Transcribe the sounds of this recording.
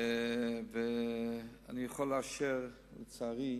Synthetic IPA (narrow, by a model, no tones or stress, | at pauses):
ve | anijəχɔlaʃɛʁ | ut͡saʁi